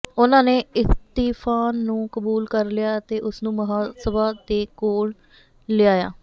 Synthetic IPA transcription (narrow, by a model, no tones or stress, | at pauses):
ʊnãːneːɪst̪iːpʰaːnːũːkəbuːlkəɾlɪjaːt̪eːʔʊsnũːməɦaːsəbaːd̪eːkoːɽ | lɪaːja̰ː